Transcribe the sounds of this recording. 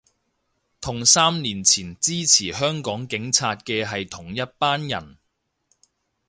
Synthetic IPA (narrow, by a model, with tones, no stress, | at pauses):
t̪ʰʊ˨˩ŋsaː˥mniː˨˩nt͡sʰiː˨˩nt͡siː˥t͡sʰiː˨˩ɦœː˥ŋkɔː˨˥ŋkɪ˨˥ŋt͡sʰaː˧t̚kɛː˧ɦɐ˨jt̪ʰʊ˨˩ŋjɐ˥t̚paː˥njɐ̰˨˩n